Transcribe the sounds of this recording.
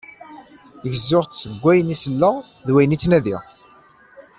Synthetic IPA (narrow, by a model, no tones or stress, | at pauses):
əʝəzːʊʁt̪səɡʷːæjənisəlːə | ðwæjənit͡sːnæðiʁ